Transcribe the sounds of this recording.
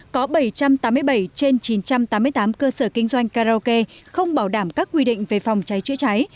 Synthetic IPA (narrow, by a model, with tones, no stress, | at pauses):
kɔ˨˦ɓə˧˩jt͡ɕa˧mt̪aː˨˦mɨ˧jɓə˧˩jt͡ɕe˧nt͡ɕi˨˦nt͡ɕa˧mt̪aː˨˦mɨ˧əjt̪aː˨˦mkəː˧səː˧˩kï˧ŋ̟zwa˧jŋ̟kaː˧zo˧ke˧xə˧wŋ͡mɓaː˧˩wɗaː˧˩mkaː˦˥k̚ːwi˧ɗḭ̈˧˨ŋ̟ve˨˩fa˨˩wŋ͡mt͡ɕa˨˦jt͡ɕɨ̰˧˥ət͡ɕa˨˦j